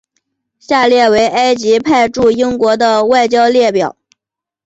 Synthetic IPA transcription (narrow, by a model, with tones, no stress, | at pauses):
ɕja˥˧ljɛ˥˩we˧˥ɪʔa˥ɪt͡ɕi˧˥pʰa˥˧ɪʈ͡ʂu˥˩i˥ŋkwɔ˧˥d̪ə˧wa˥˩ɪt͡ɕjɑ˥ʊljɛ˥˩pjɑ˨˩˦ʊ